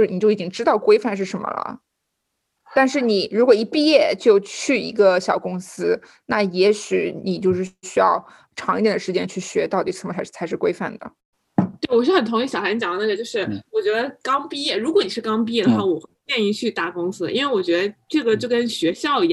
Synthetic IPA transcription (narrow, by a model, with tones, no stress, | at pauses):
ɻ̩˥˩ni˨˩t͡ɕjo˥˩ʊ˨˩t͡ɕi˥ŋʈ͡ʂɻ̩˥t̪ɑ˥˩ʊkwe˥ɪfa˥˧nʂ̬ɻ̩˥˩ʂə˧˥nmə̰˧lə̰˩ | t̪a˥˧nʂɻ̩˥˩ni˨˩˦ɻu˧˥kwɔ˨˩i˧˥pi˥˧jɛ˥˧t͡ɕjo˥˧ʊt͡ɕʰy˥˩ḭ˧˥ɡə˧ɕjɑ˨˩ʊkʊ˥ŋsɹ̩˥ | na˥˩jɛ˧˥ɕy˧˩˥ni˨˩t͡ɕjo˥˧ʊʂ̬ɻ̩˥˩ɕy˥jɑ̰˥˧ʊ | ʈ͡ʂʰɑ˧˥ŋ˥i˥˩jɛ˨˩nd̪ə˩ʂɻ̩˧˥t͡ɕjɛ˥nt͡ɕʰy˥˩ɕɥɛ˧˥t̪ɑ˥˩ʊt̪i˨˩ʂə˧˥mʰ˧˥˩t͡sʰa˧ɪʂɻ̩˥˩kwe˥ɪfa̰˥˩nd̪ə̰˩ | t̪we˥˩ɪwɔ˨˩ʂɻ̩˥˩xə˨˩nt̪ʰʊ˧˥ŋi˧˥˩ɕjɑ˨˩ʊɕa˧˥nt͡ɕjɑ˨˩ŋnə˥˩ɡə˩t͡ɕjo˥˧ʊʂɻ̩˥˩wɔ˨˩t͡ɕɥɛ˧˥d̪ə˧kɑ˥ŋpi˥˧jɛ˥˩ɻu˧˥kwɔ˧˥ni˨˩ʂɻ̩˥˩˧kɑ˥ŋpi˥˧jɛ˥˩d̪ə˨˩xwa˥˩wɔ˨˧˩xwjɛ˥˧ni˥˧t͡ɕʰy˥˧t̪a˥˩kʊ˥ŋsɹ̩˥ʔḭ˥nwe˥˩ɪwɔ˨˩t͡ɕɥɛ˧˥d̪ə˧ʈ͡ʂɤ˥˩ɡə˩t͡ɕjo˥˩ʊkə˥nɕɥɛ˧˥ɕjɑ˥˧ʊ˧˩